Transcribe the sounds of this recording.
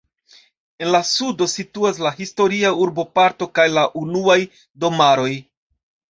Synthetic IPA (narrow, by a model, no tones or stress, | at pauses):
e̞nlasudo̞situas̬laɦisto̞ɾiauɾbo̞paɾto̞kajlaʔunuaj | do̞maɾo̞j